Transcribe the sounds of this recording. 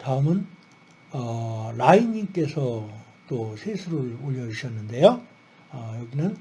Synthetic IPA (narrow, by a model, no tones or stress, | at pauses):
taɯmɯn | ʌlainiŋk͈e̞sʰʌ | t͈osʰesʰuɾɯoʎːʌd͡ʑiɕʰʌnːɯnde̞jo | ʌjʌɡinɯn